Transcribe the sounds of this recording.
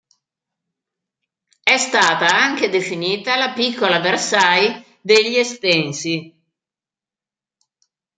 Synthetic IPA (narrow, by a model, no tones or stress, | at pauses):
ɛst̪aːt̪aaŋk̟ed̪efiniːt̪alapikːolaversaj | d̪eʎːiest̪ɛnsi